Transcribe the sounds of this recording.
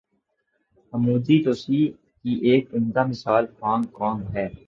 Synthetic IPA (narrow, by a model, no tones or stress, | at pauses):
əmuːd̪it̪oːsiː | kiʔeːk̚pɪ̃nd̪amɪsaːlkãːŋkɔːŋɡɦɛː